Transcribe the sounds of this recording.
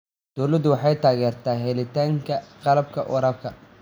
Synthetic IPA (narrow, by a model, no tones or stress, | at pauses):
d̪̥ɔːlɐd̪ʊwɑħɑjt̪ʰaːɣɛːrt̪ʰaːɦɛlɪt̪ʰaːŋkʰɐqɑlɐb̚kʰɐ̰ʔʊɾɐb̚kʰɐ